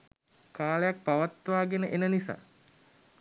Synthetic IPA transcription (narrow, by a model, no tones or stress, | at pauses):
kaːlejak̚paʋat̪ːʋaːɡenəʔenənisa̰ː